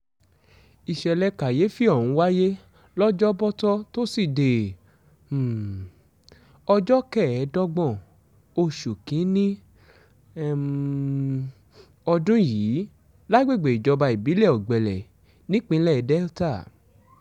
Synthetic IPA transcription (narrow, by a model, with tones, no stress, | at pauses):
i˨ʃɛ˨lɛ˧ka˨je˨˦fi˦ɔ˦˨ɾ̃ũ˧˦wa˦je˦ | lɔ˦d͡ʒɔ˦bɔ˦tɔ˦to˦si˦˨de˨ | ɔ˧d͡ʒɔ˦kɛ˦˨˦dɔ˦ɡ͡bɔ̃˦˨ | o˧ʃu˨kĩ˨˦nĩ˦ | ɔ˧dũ˦jiː˨˦ | la˦ɡ͡be˦˨ɡ͡be˨i˨d͡ʒɔ˧ba˧i˨bi˨˦lɛ˦˨ɔ˨ɡ͡bɛ˨lɛ˨ | nĩ˦k͡pĩ˧˦lɛ˦˨dɛ˦ta˦˨